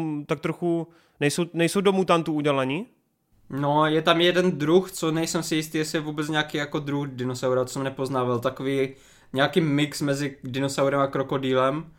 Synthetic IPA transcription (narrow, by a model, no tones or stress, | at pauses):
mt̪ak̚t̪ɾoxu | nɛjsownɛjsowdomut̪amt̪uuɟɛlaɲi | nojɛt̪amjɛdɛnd̪ɾuxt͡sonɛjsɛmsɪjɪst̪iːjɛsɪjɛvuːbɛt͡sɲɛakiːjakod̪ɾuxdɪnosawɾat̪o̥sɛmnɛpoznaːvalt̪akoviː | ɲɛakiːmɪksmɛzɪdɪnosawɾɛmakɾokodiːlɛm